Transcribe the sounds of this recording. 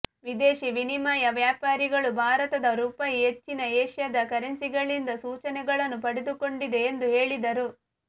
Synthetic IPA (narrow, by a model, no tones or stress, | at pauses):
ʋid̪eːʃiʋinimaːjɐʋjaːpaːɾiɡɐɭubʱaːɾɐt̪ɐd̪ɐɾuːpɐjɦet͡ʃːinɐeːʃjɐd̪ɐkɐɾensiɡɐɭind̪ɐsuːt͡ʃɐnɛɡɐɭɐnːupɐɽed̪uko̞ɳɖid̪e̞ːnd̪uɦe̞ːɭid̪ɐɾu